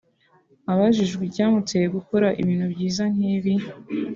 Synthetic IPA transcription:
aβaʒiʒɡwicaːmut͡sejeɡuko̞ɾaʔḭβiːnhubɟiːzanŋ̥hiːβi

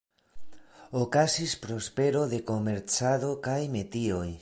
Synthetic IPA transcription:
okasispɾo̞spe̞ɾo̞ðe̞ko̞me̞ɾt͡saðo̞kajme̞t̪io̞j

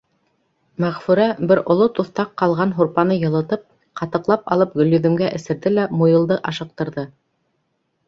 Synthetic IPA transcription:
mæʁfʉɾæbɘɾŏlˠot̪uθt̪ɑqːɑlˠʁɑnɦuɾpɑnɤjɤ̆lˠɤ̆t̪ɤp̚ | qɑt̪ɤ̆qlˠɑpɑ̰lˠɤp̚ɡɵ̆ljɵ̆ðɘ̆mɡæʔɘ̆sɘ̆ɾðɘlæmujɤ̆lˠd̪ɤʔɑʃɤ̆q̚t̪ɤ̆ɾðɤ

